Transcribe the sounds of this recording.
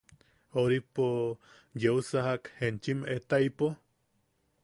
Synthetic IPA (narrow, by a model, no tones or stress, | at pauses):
oɾipo | jeusahakhent͡ʃimet̪aipo